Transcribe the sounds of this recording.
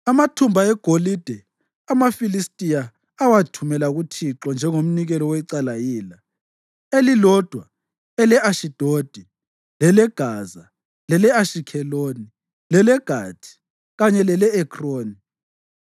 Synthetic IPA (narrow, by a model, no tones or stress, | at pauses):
amatʰumbʱaɛɡ̥ʱolid̥ʱɛ | amafilistʼija | awatʰumɛlaɣutʰiǁɔnd͡ʒʱɛŋom̩niɣɛlɔwɛǀalajiːla | elilɔd̥ʱwa | ɛlɛʔaʃid̥ʱod̥ʱɛ | lɛlɛɡ̥ʱaːza | lɛlɛaʃikʰɛloːni | lɛlɛɡ̥ʱaːtʰi̥ | ɣaɲɛlɛlɛɛkʰʼroːni